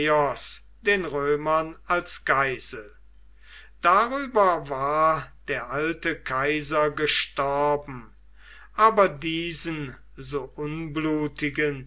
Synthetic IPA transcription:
ɔs | d̥eːnʁøːmɐnalsɡ̥aɪz̥əl̩ | d̥aʁyːbɐvaːɐd̥eːɐʔaltəkʰaɪzɐɡəʃtɔɐbm̩ | ʔaːbɐdiːzən | zoːʔʊnbluːtɪɡən

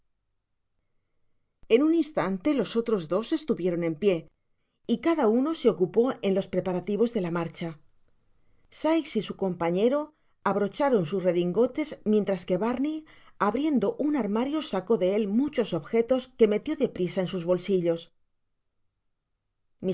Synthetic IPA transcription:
e̞nuninst̪ant̪e̞lo̞so̞t̪ɾo̞zðo̞se̞st̪uβje̞ɾo̞ne̞mpje̞ | ikaðauno̞se̞o̞kupo̞e̞nlo̞spɾe̞paɾat̪iβo̞zðe̞lamaɾt͡ʃa | sajksisuko̞mpaɲe̞ɾo̞ | aβɾo̞t͡ʃaɾo̞nsusre̞ðiŋɡo̞t̪e̞zmje̞nt̪ɾaske̞βaɾni | aβɾje̞nd̪o̞ʔunaɾmaɾjo̞sako̞ðe̞e̞lmut͡ʃo̞so̞βxe̞t̪o̞ske̞me̞t̪jo̞ðe̞pɾisae̞nsuzβo̞lsiʎo̞s | mi

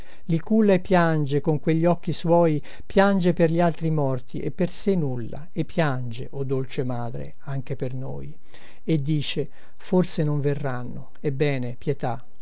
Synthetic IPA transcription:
likulːaepːjand͡ʒekoŋkweʎːiɔk̟ːiswɔːj | pjand͡ʒeperʎialt̪ɾimɔrt̪ʰiʔepːersenːulːa̰epːjand͡ʒeʔod̪ːolt͡ʃemaːd̪ɾḛ | aŋk̟eperno̰ːj | ed̪ːiːt͡ʃe | forsenoɱverːanːo | ebːɛːnepjet̪a

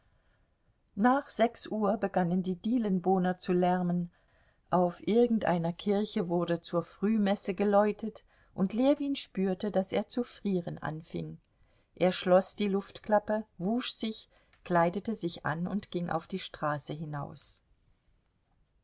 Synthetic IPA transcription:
naːχz̥ɛksʔuːɐbəɡanəndiːdiːlənboːnɐt͡sulɛɐmən | ʔaʊfʔɪɐɡŋ̩tʔa̰ɪnɐkʰɪɐçəvʊɐdət͡suːɐfʁ̥yːmɛsəɡəlɔʏtʰət | ʔʊntleːɐviːnʃpyːɐtədasḛːɐt͡sufʁ̥iːʁənʔa̰nfɪ̰ŋ | ʔeːɐʃlɔsd̥iːlʊftkl̥apəvuːʃz̥ɪç | kl̥aɪdətəzɪçʔa̰nʊ̰ntɡ̥ɪŋʔa̰ʊfd̥iːʃtʁ̥aːsəɦɪnaʊs

